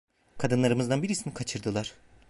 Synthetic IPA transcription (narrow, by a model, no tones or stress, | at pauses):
kʰad̪ɯnlˠaɾɯmɯzd̪anbiɾisinikʰat͡ʃʰɯɾd̪ɯlˠaɾ̥